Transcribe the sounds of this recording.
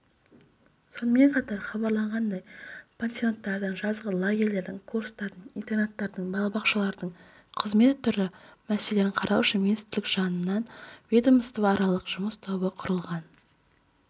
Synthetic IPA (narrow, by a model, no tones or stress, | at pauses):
so̞nəme̞ɴqʰɑt̪ɑɾχɑbɑɾlˠɑɴʁɑnd̪ɑjpʰʲent̪sio̞nt̪ːɑɾd̪əɴʒɑzʁəlˠaɡʲerle̞ɾd̪ɪŋkʰuɾst̪ɑɾd̪ənint̪e̞ɾnat̪ːɑɾd̪əɴbɑlˠɑbɑqʃɑlˠɑɾd̪əɴ | qʰəzme̞t̪ʰːʏɾɪmæse̞le̞nɪɴqʰɑɾʔɑwʃəmʲinist̪ɪɾlɪkʒ̥ɑnənːɑnvʲed̪əməst̪əvɑɾɑlˠəqʒ̥ʊməst̪ʰobəqʰʊɾəlˠʁɑn